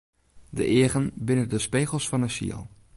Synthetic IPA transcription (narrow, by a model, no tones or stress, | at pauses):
də̰ʔɪəɣənbɪnədəspeːɣəl̩ˠsfɔnəsḭə̰lˠ